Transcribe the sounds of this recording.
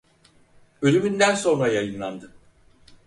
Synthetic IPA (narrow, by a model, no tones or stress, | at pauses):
ø̞lʲymynd̪ænso̞nɾajajɯnlˠand̪ɯ